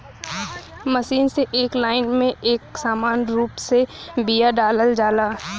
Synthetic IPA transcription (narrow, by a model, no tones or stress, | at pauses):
məʃiːnseʔeːklaːɪnmẽeːksaːmaːnɾuːpsebijaɖaːləld͡ʒaːlaː